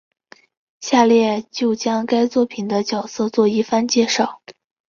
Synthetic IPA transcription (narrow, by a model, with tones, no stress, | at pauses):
ɕja˥˧ljɛ˥˧t͡ɕjo˥˩ʊt͡ɕjɑ˥ŋka˥ɪt͡swɔ˥˩pʰi˨˩nd̪ə˦t͡ɕjɑ˨˩ʊsɤ˥˧t͡swɔ˥˧i˥˩fa˥nt͡ɕjɛ˥˧ʂɑ˥˩ʊ